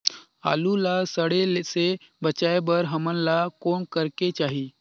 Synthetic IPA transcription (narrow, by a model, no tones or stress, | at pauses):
a̰lulasəɽelesebʱət͡ɕajbəɾɦəmənlakoɳkəɾket͡ʃaɦi